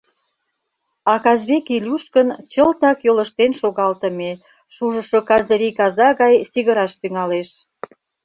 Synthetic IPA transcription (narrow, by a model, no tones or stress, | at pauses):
ɑkɑzβekilʲuʃkənt͡ɕəlt̪ɑkjoləʃt̪enʃoɣɑlt̪ə̆me | ʃuʒəʃokɑzəɾikɑzɑɣɑjsiɣəɾɑʃt̪yŋɑleʃ